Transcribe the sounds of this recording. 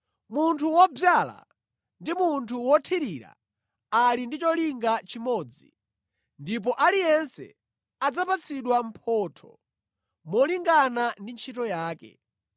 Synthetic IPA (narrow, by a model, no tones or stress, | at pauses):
muntʰuwɔbjala̰ | ndimuntʰuwɔtʰiɾiɾa̰ | alindit͡ʃɔliŋɡat͡ʃimɔd͡zi | ndip̬ɔʔalijɛnsɛ̰ | ad͡zapat͡siɗwam̩pʰɔtʰɔ̰ | mɔliŋɡanandint͡ʃʰitɔjaːkɛ̰